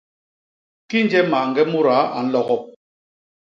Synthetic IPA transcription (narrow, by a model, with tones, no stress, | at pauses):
ki˦n̩˦d͡ʒɛ˦ma˨ŋ̩˨ɡɛ˦mu˦ɾa˨˦a̰˨n̩˦lɔ˦ɣɔ˦˨p̚